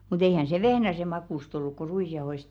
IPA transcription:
mut eihæn se ʋehnæse mɑkuˑst olːuk ku ruisjɑohoist

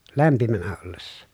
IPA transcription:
læmpimænæ olːesːɑ

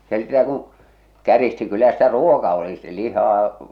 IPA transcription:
jɑ se sitæ kũː kæristi kylːæ sitæ ruokɑ oli sti̥ lihɑː

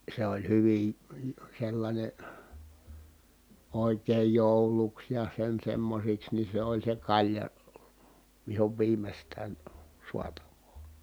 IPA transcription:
se olʲ hyʋin̞ selːɑnʲe oˑikeːj joˑuluks jɑ sen semːosiks ni se olʲ se kɑlʲjɑ ʋihoʋ ʋiːmestæːn suɑtɑʋˑoː

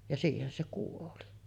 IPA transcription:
jɑ siːhen se kuoli

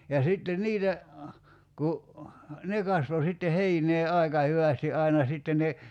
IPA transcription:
jɑ sitːe niːtæ ku ne kɑsʋo sitːe heineː ɑikɑ hyʋæsti ʔɑinɑ sitːe ne

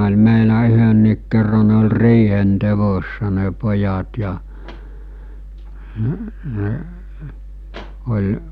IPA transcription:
olʲ meilæ yhønːiːk kerːɑ ne olʲ riːhen teʋosːɑ ne pojɑt jɑ olʲ

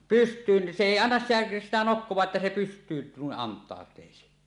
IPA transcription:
pystˑyːn se eˑi ɑnːɑs sitæ̥ sitæ nokːowˑɑːʔ ʔetːæ se pystˑyːn nuiʔ ʔɑntˑɑˑotˑeˑisi

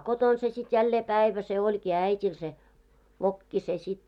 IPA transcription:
koton se sit jælːeː pæˑiʋæ se olʲkiː æˑitʲil se ʋokːi se sit

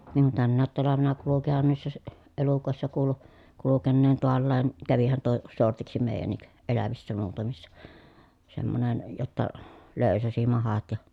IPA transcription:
niŋ kun tænːæːt tɑlɑʋenɑ kulukihɑn niːsːæ si elukoˑesːɑ kuːlu kulukenːeːn toɑlːɑːn kæʋihæn tuo sortiksi meˑi̯jænːik elæʋisːæ muːtɑmisːɑ semːonen jotːɑ løˑy̞sæsi mɑhɑt jɑ

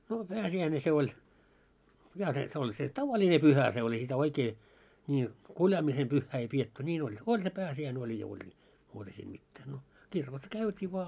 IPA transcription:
no pæːsiæine se olʲ jɑ set on se tɑʋɑlʲine pyhæ se olʲ ei sitæ oikeː nʲi kuljɑːmisem pyhːæː ei pietːy nʲiːn olʲ olʲ se pæːsiæine olʲ jɑ olʲ ni muːtɑ siːm mitːæː no kirkos kæytiː ʋŏɑ

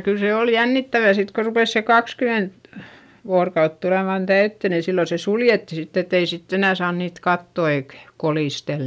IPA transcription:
kyl se oˑl jænːitːæʋæ sit ko rupeˑs se kɑkskyment ʋoːrkɑut tuleˑmɑn tæytːø ni silːo se suljetːi sitː et ei sitː enæˑ sɑːn niːt kɑtːo eik koliˑstel

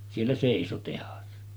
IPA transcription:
sielːæ seˑiso tehɑs

